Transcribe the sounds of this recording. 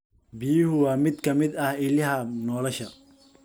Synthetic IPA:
bɪjɪɦʊwɑːmɪd̪kʰɐmɪd̪ɐhɪlɪɦɐnɔːlɔʃɐ

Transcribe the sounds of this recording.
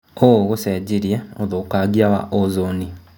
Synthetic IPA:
ooɣoseɟiɾjeoðokaːɡiawa̰ʔozoni

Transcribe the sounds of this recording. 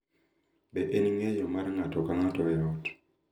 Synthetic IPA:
beʔeniŋejomaɾeŋatokaŋatoβejati̥

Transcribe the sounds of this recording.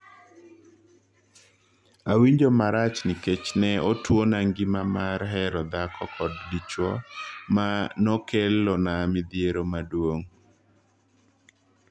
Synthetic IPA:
awiɲd͡ʒomaɾat͡ʃnɪket͡ʃnɛotwonaŋɡɪmamaɾɦɛɾɔd̪akɔkɔddit͡ʃwɔmanɔkelːonamɪd̪jeɾomadwoŋ

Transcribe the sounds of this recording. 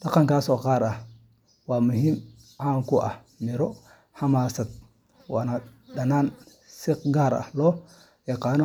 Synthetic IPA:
dɑqɑŋkaːsɔːqaːɾɐh | waːmʊɦiːm | ʔaːŋkʊʔɐ̰h | mɪɾɔ | hɐmaːsɐt̪̚ | waːnɐdɐnaːn | sɪqɡaːɾɐ̰hlɔː | jɐqɑːnɔ

